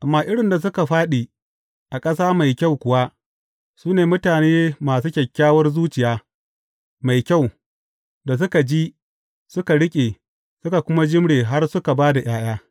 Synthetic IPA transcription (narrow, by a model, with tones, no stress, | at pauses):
ʔa˨mːaː˦ʔɪ˦ɽɪ˨nda˨s̬ʊ˦ka˨ɸaː˦ɗiː˨ | ʔa˨kʼɐ˦saː˦ma˨jkʲa˦˨wkʷʊ˨wa˦ | suː˦neː˨mʊ˦taː˨neː˦maː˨suː˦kʲɐ˨kʲːaː˦wɐ˦rzuː˦t͡ʃɪ˨jaː˦ | ma˨jkʲa˦˨w | da˨s̬ʊ˦ka˨d͡ʒi˦ | sʊ˦ka˨ɽɪ˦kʲʼe˨ | sʊ˦ka˨kʷʊ˦ma˦d͡ʒɪ˦mɽeː˨ɦa˦rsʊ˦ka˨baː˦da˨j̰aː˦j̰aː˦